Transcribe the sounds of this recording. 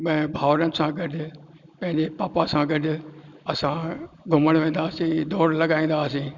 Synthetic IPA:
mɐ̃bʱaːʋɾənɪ̆sãɡɐɖ | pɐ̃ɦɪ̃ɲd͡ʑepaːpasãɡɐɖɐsãɡʱʊməɽ̃ʋẽːn̆d̪aːsĩːd̪ʱoːɾlɐɡaːĩːn̆d̪aːsĩː

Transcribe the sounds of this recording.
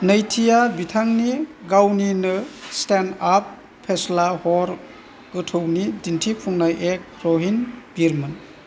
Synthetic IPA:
nəjtʰijabitʰaŋniɡawninɯstenapʰː | eslahɔɾ | ɡ̥ɯtʰownidintʰipʰuŋnajʔek̚ɾɔɦinbiɾmɯn

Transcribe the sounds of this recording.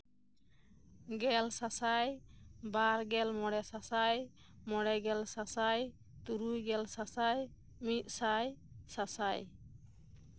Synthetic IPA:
ɡɛlsasajbaɾɡɛlmɔɽɛsasaj | mɔɽɛɡɛlsasaj | t̪uɾujɡɛlsasaj | mit̪̚ˀsaj | sasaj

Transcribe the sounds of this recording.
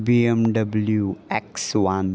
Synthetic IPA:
biɛ̃mɖʌbəljuɛkswãn

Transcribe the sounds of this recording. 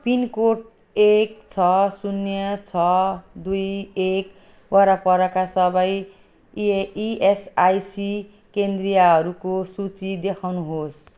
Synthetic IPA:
pinkoʈ | ek̚t͡sʰʌsunjʌt͡sʰʌd̪ujek | waɾapʌɾʌkasʌbʌj | iesajsi | kend̪rijaɦʌɾukosut͡sid̪ekʰawnuɦos

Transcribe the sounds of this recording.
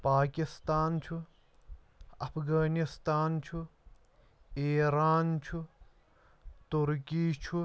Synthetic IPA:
paːkist̪aːnt͡ʃʰu | ɐpʰɡaːnist̪aːnt͡ʃʰu | eːɾaːnt͡ʃʰu | t̪uɾkiːt͡ʃʰu

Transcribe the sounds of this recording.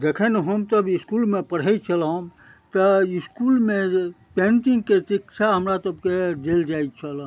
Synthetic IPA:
d̪ekʰənɦəmt̪əbiskulmepəɽ̤ɦɛt͡ʃʰəlãm | t̪əiskulmẽ | pẽɳʈĩŋɡkesikt͡ʃʰaɦəmɾasəbked̪eld͡ʒait͡ʃʰəl

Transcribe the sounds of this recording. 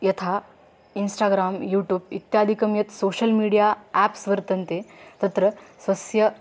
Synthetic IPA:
jɐt̪ʰaː | insʈaːɡɾaːmjuːʈjuːbit̪jaːd̪ʱikɐmjɐt̪soːɕɐlmiːɽijaæːpsʋɐɾt̪ɐnt̪et̪ɐt̪ɾɐsʋɐsjɐ

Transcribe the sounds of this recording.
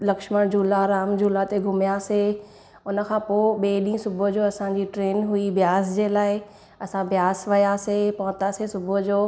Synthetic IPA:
lɐkʃməɽ̃d͡ʑuːlaɾaːmd͡ʑuːlat̪eɡʱʊmijase | ʊnə̆kʰãːpoːɓeːɗĩːsʊbʱʊd͡ʑoːɐsãɲd͡ʑiʈɾeːnɦuibjaːsd͡ʑeːlaːɪ | ɐsãʋjaːsʋɐjasepɐɦʊ̃t̪asesʊbʱʊd͡ʑoː

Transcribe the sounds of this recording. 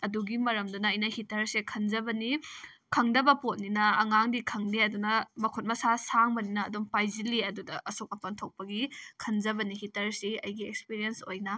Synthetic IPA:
ɐduɡimɐɾɐmdɐnɐːjnɐhitɐɾsekʰɐnd͡ʒɐbɐni | kʰɐŋdɐbɐpot̚ninɐːŋaŋdikʰɐŋniɐdunɐmɐkʰot̚mɐsasaŋbɐninɐːdumpajzilːiɐdudɐʔɐsok̚ɐpɐntʰok̚pɐɡikʰɐnzɐbɐnihitɐɾsiɐ̰jɡiek̚spiɾiensojnɐ

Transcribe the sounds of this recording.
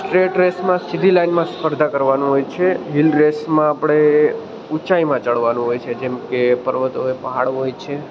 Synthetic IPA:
sʈɾeʈɾesmãsid̪ʱilainmãsə̥pʰəɾd̪ʱakəɾʋanũɦojt͡ʃʰeɦilɾesmãapɽ̃e | ut͡ʃaimãt͡ʃəɭʋanũɦojt͡ʃʰed͡ʒɛmkepəɾʋət̪ooepəɦaɽɦojt͡ʃʰe

